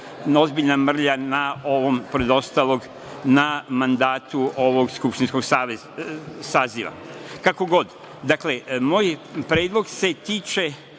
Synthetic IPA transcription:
o̞zbiʎnamr̩ʎanao̞ʋompoɾed̪o̞st̪aːlˠo̞ɡ | namand̪aːt̪uo̞ʋo̞ɡskupʃt̪insko̞ɡsaːʋe | saːziʋa̰kako̞ɡo̞d̪ | d̪akle̞moːjpɾeːd̪lˠo̞ɡse̞t̪iːt͡ʃe

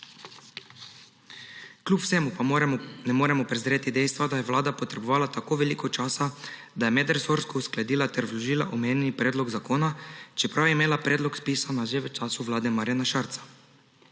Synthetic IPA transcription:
klʲjupw̥sɛmupnɛmoːɾɛmɔpɾɛzɾeːt̪id̪ɛjst̪ʋad̪ajɛʋlaːd̪apɔt̪ɾɛbɔʋaːlat̪akoːʋɛliːkɔt͡ʃaːsa | d̪ajɛmɛd̪ɾsoɾskɔusklad̪iːlat̪ɛɾzlɔʒiːla̰ʔɔmeːnʲjɛnipɾeːd̪lɔɡzakoːnat͡ʃɛpɾawjɛimeːlapɾeːd̪lɔkspiːsanaʒeʋət͡ʃaːsuʋlaːd̪ɛmaɾjanaʃaɾt̪sḁ

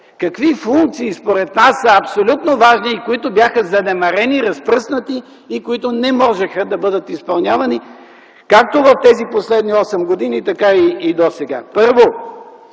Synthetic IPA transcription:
kɐkvifuŋk̚t̪siːspoɾɛt̪nasːəɐpsolʲut̪novaʒniːkoit̪ʊbjaxəzɐnɛmɐɾɛniɾɐspɾɤsnət̪iː | koit̪ʊnɛmɔʒɛxəd̪ɐbɤd̪ət̪ispɐlˠnʲjavɐni | kak̚t̪ovɐft̪ɛziposlɛd̪niɔsɛmɡod̪init̪ɐkaiːd̪osɛɡa̰pɤɾvo

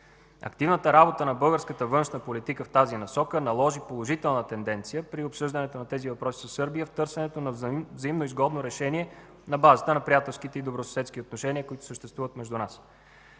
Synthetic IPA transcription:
ɐ̰kt̪ivnət̪əɾabot̪ənɐbɤlˠɡəɾskət̪əvɤnʃnəpolit̪ikəft̪azinɐsɔkənɐlˠɔʒipolˠoʒit̪ɛlˠnət̪ɛnd̪ɛnt̪sijəpɾiopsɤʒd̪ənɛt̪onɐt̪ɛzivɐpɾɔsi̥zɐsɤɾbijəft̪ɤɾsɛnɛt̪onɐvzɐimnoizɡɔd̪noɾɛʃɛniɛ | nɐbazət̪ənɐpɾijat̪ɛlˠskit̪ɛid̪obɾosɐ̥sɛt̪sk̟iot̪noʃɛniəkoit̪ʊ̥səʃt̪ɛst̪vuvət̪mɛʒd̪unas

